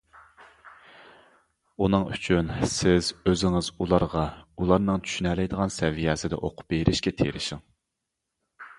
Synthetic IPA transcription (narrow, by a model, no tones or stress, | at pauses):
unɨŋy̰t͡ʃʰynsɪzøzɪŋɪzulˠɑɾʁɑulˠɑɾnɨŋt͡ʃʰy̥ʃynɛlɛjd̪əʁɑnsɛvijɛːsɪd̪ɛ̰ʔoqʰʊ̥p̚beɾʔɪʃkʲɛt̪ʰḛɾɪʃɪŋ